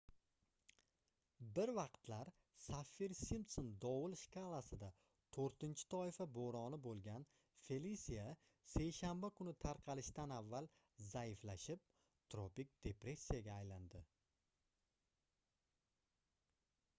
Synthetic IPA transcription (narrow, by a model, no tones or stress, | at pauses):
bɪɾvɑqt̪laɾ | safːiɾsimt̪sond̪ɒwʊlˠʃkalˠasɪd̪a | t̪ʰoɾt̪ɪnt͡ʃʰɪ̥t̪ʰɒɪfaboɾɒnɪbolˠɡʲan | fe̞lisija | se̞jʃambakʰʊnɪt̪ʰaɾqʰɑlɪʃt̪anavːalˠ | zaɪflaʃɪp̚ | t̪ʰɾopik̚ʲd̪̥e̞pɾe̞sʲːijaɡʲaːjland̪ɪ